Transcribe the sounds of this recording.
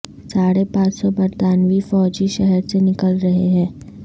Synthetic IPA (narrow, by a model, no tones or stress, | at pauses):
saːɽepãːt͡ʃsɔbɐɾt̪aːnʋifɔːd͡ʒiʃɛɦɛɾsenɪkəlɾɐɦeɦɛ̃ː